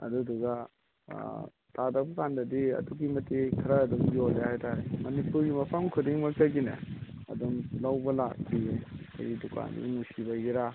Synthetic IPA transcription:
ɐ̰duduɡɐ̰ | tadɐk̚bɐkandɐdiɐ̰dukimɐtːekʰɐɾɐːdumbiolehajtaɾemɐnipuɾɡimɐpʰɐmkʰudiŋmɐktɐɡinɐ̰ɐ̰dumlawbɐla̰k̚tie | ɐ̰jduka̰ndḭnusiβɐjiɾa

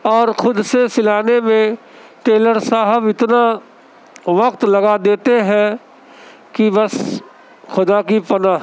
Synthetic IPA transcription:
ɔːɾxʊd̪sesɪlaːnemẽ | ʈeːləɾsaːɦəbɪt̪na | ʋɐkt̪lɐɡad̪eːt̪eɦɛ̃ | kibəs | xʊd̪akipənaːɦ

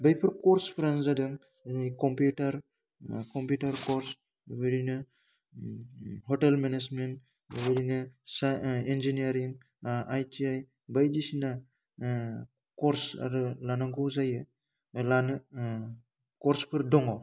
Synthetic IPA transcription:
bajpʰɯɾkoɾspɯɾanzadɯŋ | nikompjutaɾ | kompjutaɾkoɾs | bɯɾinɯ | ɦotelmenesment | βɯɾinɯsaend͡ʒiniaɾiŋ | ʔajtʰiaj | bajdisina | koɾsa̰ɾɯlanaŋɡuzajɯ | lan | koɾspʰɯɾdɔŋo

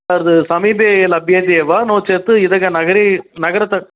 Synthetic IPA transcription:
aːɾɐðɯsɐmiːbeɐlɐbʱjɐnd̪ɪeʋaːnoːt͡ʃːɐt̪ːɯɪðɐɡɐnɐɣɐɾinɐɣɐɾɐt̪ːɐ

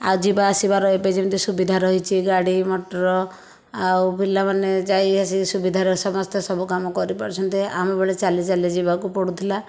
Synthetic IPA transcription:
awd͡ʒibaːsibaɾɔɦeped͡ʒemt̪isubid̪ʱaɾɔɦit͡ʃʰiɡaɽimɔʈɔɾɔ | aupilːamaned͡ʒajasisubid̪ʱaɾɔsɔmɔst̪ɔsɔbukamɔkɔɾipaɾt͡ʃʰɔnt̪iamɔbeɭet͡ʃalit͡ʃalid͡ʒibakupɔɽut̪ʰila

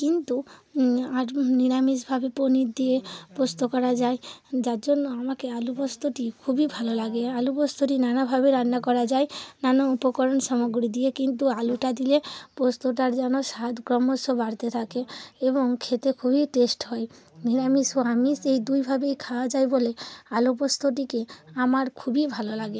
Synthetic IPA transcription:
kint̪u | aɾniɾamisbʱabeponid̪iepost̪okɔɾad͡ʒajd͡ʒaɾd͡ʒɔnːɔamakealubɔst̪oʈikʰubibʱalolaɡealubɔst̪oʈinanabʱabeɾanːakɔɾad͡ʒaenanaupɔkɔɾɔnsɔmɔɡɾid̪iekint̪ualuʈad̪ilepost̪oʈ̬aɾd͡ʒañɔsad̪ɡɾɔmosɔbaɾt̪et̪ʰakeebɔŋkʰet̪ekʰubʱiʈesʈɦɔe | niɾamisoamisejd̪ujbʱabejkʰawad͡ʒajbolealup̬ost̪oʈ̬ikeamaɾkʰubibʱalolaɡe

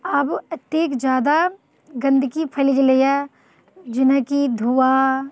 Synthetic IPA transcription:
ɐbɐt̪eːkd͡ʒjaːd̪a | ɡɐ̃nd̪ʱkipʰɐlid͡ʒleja | d͡ʒɪnəkid̪ʱuwa

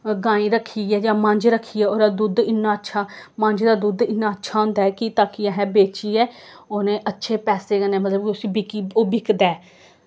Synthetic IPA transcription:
ɡãːĩːɾəkʰːiːɛːd͡ʒãːmə̃ɲd͡ʒɾəkʰːiːɛːoːɾaːd̪uːd̪ɪnːãːətːʃʰaːmə̃ɲd͡ʒd̪aːd̪uːd̪ɪnːãːətːʃʰaːõːnd̪aːɛːkɪt̪aːkiːãɦɛ̃ːbeːt͡ʃiːɛːoːnẽːʔətːʃʰeːpɛːseːkənɛːmət̪ləbʊsĩːbɪkioːbɪkd̪ɛː

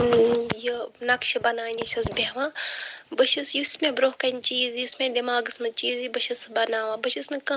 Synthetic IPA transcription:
jinɐkʃɐbɐnaːiniʃʰɐsbeʋãːbɐʃʰɐsjusmẽbɾoːkɐnt͡ʃiːzjusmẽd̪imaːɡɨsmɐt͡ʃiːzibɐʃɐsbɐnaːʋãːbɐʃʰɐsnɨkɐ

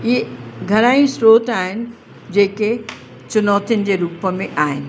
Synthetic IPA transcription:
jeɡʱɐɾaːĩsɾoːt̪aːɦɪnɪ̆ | d͡ʑeːke | t͡ʃʊnɔːt̪inɪ̆d͡ʑeɾuːpmẽʔaːɦɪnɪ̆

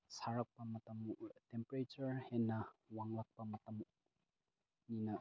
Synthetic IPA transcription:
saɾɐk̚pɐmɐtɐmtempɐɾet͡ʃɐɾhenːɐwaŋlɐk̚pɐmɐtɐm | ninɐ

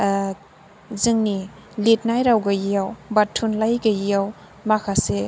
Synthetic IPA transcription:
zɯŋni | lit̚najɾawɡajijawbatʰːunlajɡajijaw | makʰase

